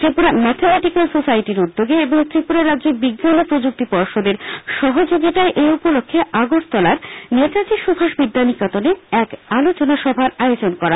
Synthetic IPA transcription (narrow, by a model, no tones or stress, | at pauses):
t̪ɾipuɾamɛt̪ʰemɛʈikalsosaiʈiɾud̪ːoɡeeboŋt̪ɾipuɾaɾadːʑeɾbiɡːanopɾod͡ʑuk̚t̪ipɔɾʃod̪eɾʃɔɦod͡ʑoɡit̪aeʔeupolokʰːeaɡost̪ɔlaɾnet̪ad͡ʑiʃubʱaʃbid̪ːanikat̪oneɛkalot͡ɕonaʃɔbʱaɾajod͡ʑonkɔɾa